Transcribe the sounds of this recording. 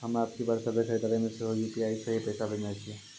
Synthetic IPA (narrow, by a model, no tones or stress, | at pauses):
ɦəmaːp̚kibəɾsəbesəit̪aɾemẽseɦojupiaːisəɦipɛːsabʱənajt͡ʃʰie